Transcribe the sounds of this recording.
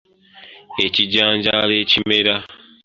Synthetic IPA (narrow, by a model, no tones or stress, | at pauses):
eciɟaːɲd͡ʒalecimeɾa